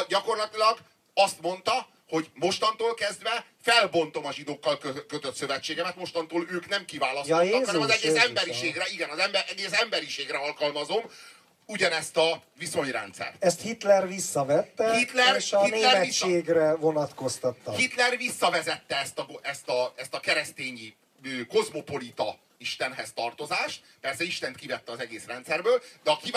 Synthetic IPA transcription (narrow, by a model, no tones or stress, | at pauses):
ɟɒko̞rlɒt̪ilɒɡ | ɒst̪mo̞n̪t̪ɒ | ho̞ɟmo̞ʃt̪ɒnt̪oːlkɛzd̪vɛ | fɛlbo̞nt̪o̞mɒʒid̪oːkːɒlkøkøt̪øt̪sø̞vɛt͡ʃːeːɡɛmɛt̪mo̞ʃt̪ɒnt̪oːløːknɛmkivaːlɒsjoːksnɛmɒzɛɡeːsɛmbɛɾiʃeːɡrɛiɡɛnɒzɛmbɛʔɛɡeːsɛmbɛɾiʃeːɡrɛɒlkɒlmɒzo̞m | uɟɒnɛst̪ɒviso̞ɲrɛ̰nt̪sɛ̰rt̪ɛst̪hit̪lɛrvisːɒvɛt̪ːɛhit̪lɛrhit̪ːlɛrɛist͡ʃːeːɡrɛvonɒt̪ko̞st̪ɒt̪ːɒhit̪lɛrvisːɒvɛzɛt̪ːɛɛst̪ɒɡɛst̪ɒɛst̪ɒkɛɾɛst̪eːɲi | øko̞zmo̞po̞lit̪ɒ | iʃt̪ɛnɦɛst̪ɒrt̪o̞zaːʃt̪̚pɛrsɛiʃt̪ɛnt̪kivɛt̪ːɛɒzɛɡeːsrɛnt̪sɛrbøːld̪ɛɒki